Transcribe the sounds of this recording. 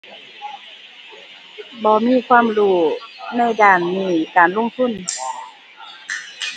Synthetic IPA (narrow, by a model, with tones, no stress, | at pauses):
bɔː˧˦miː˧˥˨kʰwaː˧˥˨mluː˧˩na˧˥˨jdaː˧˩nːiː˧˩kaː˨nlo˧˥˨ŋt̪ʰu˧˥˨n